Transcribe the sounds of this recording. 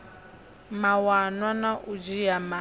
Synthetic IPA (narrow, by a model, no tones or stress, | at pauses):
mawanwanaʔud͡ʒijama